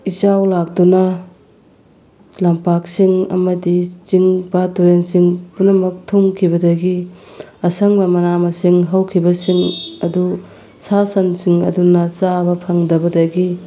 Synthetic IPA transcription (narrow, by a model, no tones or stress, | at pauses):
it͡ʃawlak̚dunɐ | lampaksiŋɐ̰mɐdit͡ʃiŋbatuɾensiŋpunɐmɐk̚tʰuŋkʰibɐdɐɡiɐsɐŋbɐmɐnamɐsiŋɦɐwkʰibɐsiŋɐdu | sasɐnsiŋɐ̰dunɐt͡ʃabɐpʰɐŋdɐbɐdɐɡi